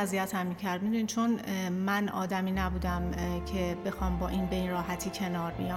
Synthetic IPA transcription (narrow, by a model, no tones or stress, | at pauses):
æzijæt̪ʰæmːiːcʰæɾd̪̚mid̪uːnit͡ʃʰo̞nmænɒ̰ːd̪æmiːnæbuːd̪æmcʰe̞be̞xɒːmbɒːʔinbeinɾɒːhæt̪ʰiːcʰe̞nɒːɾbḭjɒ